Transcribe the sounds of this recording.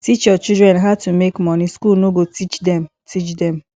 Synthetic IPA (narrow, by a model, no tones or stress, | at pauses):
tit͡ʃɔt͡ʃidɹɛ̃nɦatumekmɔniskulnoɡotit͡ʃdɛ̃m | tʰit͡ʃdɛ̃m